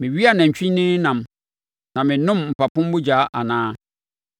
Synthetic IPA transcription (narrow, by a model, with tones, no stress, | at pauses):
mɪ̃˨ɥi˦a˦˨nã˨ɲ˨t͡ɕᶣĩ˦nɪ̃˦nã˨m | nã˨mɪ̃˨nʊ̃˦mm̩˨pa˨pʊ̃˦m˦bʊ˦d͡ʑaː˨˦ʔa˨nãː˦